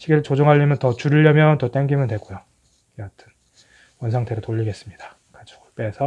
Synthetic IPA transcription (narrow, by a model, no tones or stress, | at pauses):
ɕʰiɡiɾɯɭt͡ɕod͡ʑoŋɦaʎːimjʌntʌt͡ɕuɾiʎːʌmjʌntʌt͈eŋɡimjʌndwe̞ɡojo | iʌtʰɯ̥n | wʌnsʰaŋtʰeɾotoʎːiɡe̞s͈ɯmɲid̥a | kad͡ʑʰo̥ɡop͈eːsʰʌ